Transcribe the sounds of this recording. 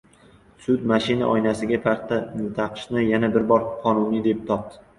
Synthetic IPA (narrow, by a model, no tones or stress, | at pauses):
sʊd̪maʃɪna̰ʔɒjnasɪɡʲapʰaɾt̪ʰːanɪt̪ʰɑqʰɨ̥ʃnɪjanabɪɾbɒɾqʰɒnʊnid̪e̞p̚t̪ʰɒp̚t̪ɪ